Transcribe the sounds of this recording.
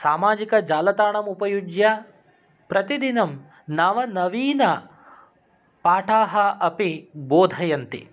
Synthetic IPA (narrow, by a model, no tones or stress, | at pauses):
saːmaːd͡ʒikɐd͡ʒaːlɐt̪aːɳɐmupɐjud͡ʒja | pɾɐt̪id̪inɐm | naːʋɐnɐʋiːnɐ | paːʈʰaːɦɐʔɐpiboːd̪ʱɐjɐnt̪ḭ